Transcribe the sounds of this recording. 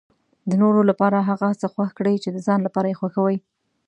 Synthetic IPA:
d̪ənoɾolapɑɾaɦaɣasəxwaxkɽəjt͡ʃed̪əzɑnlapɑɾajexwaxawəj

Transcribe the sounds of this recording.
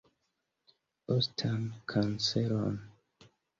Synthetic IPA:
ostʰankʰanseɾo̰n

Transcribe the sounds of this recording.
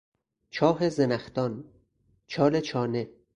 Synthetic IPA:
t͡ʃʰɒːɦezenæxt̪ɒn | t͡ʃʰɒːlet͡ʃʰɒːne

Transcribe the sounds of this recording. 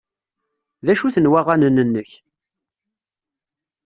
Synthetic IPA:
ðæʃuθənwæʁanənːənːəç

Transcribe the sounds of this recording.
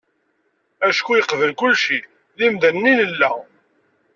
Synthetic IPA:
æʃkujəqvəlkʊlʃi | ðimd̪ænːinəlːæ

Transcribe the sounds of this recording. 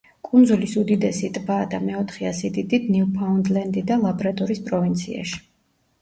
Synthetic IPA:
kʼund̪zulisud̪id̪ɛsit̪ʼbaːd̪amɛɔt̪ʰχɛasɛd̪id̪it̪ʰniupʰaund̪lɛnd̪id̪alˠabɾat̪ʼɔɾispʼɾɔvint̪sʰia̰ʃi̥

